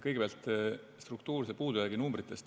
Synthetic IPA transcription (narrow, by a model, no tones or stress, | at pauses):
kɤjɡe̥eæɑlt̪ːˑ | st̪ruk̚t̪uːɾsepuːd̪ujæːɡinumbɾit̪ˑːe̞st̪